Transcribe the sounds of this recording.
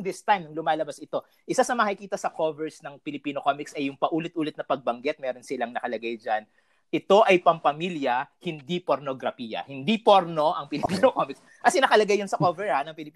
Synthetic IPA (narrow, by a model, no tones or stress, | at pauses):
d̪ɪst̪ajmnɐŋlʊmaːlɐbasɪt̪o̞ | ʔɪsasɐmɐɐkɪkiːt̪ɐsɐkovɛɹsnɐŋpɪlɪpiːnokomɪksɐjʊŋpɐʔuːlɪt̪ʔuːlɪt̪nɐpɐɡ̚bɐŋɡɛt̪̚mɛːɾo̞nsɪlaŋnɐkɐlɐɡajd͡ʒan | ʔɪt̪o̞ʔɐjpɐmpɐmiljɐhɪnd̪ipo̞ɾnoɡɾɐfiːjɐ̰hɪnd̪ipoɾno̞ʔɐŋpɪlɪpinokomɪks | ʔɐsɪnɐkɐlɐɡajːɐnsɐkovɛɹhanɐŋpɪlɪpː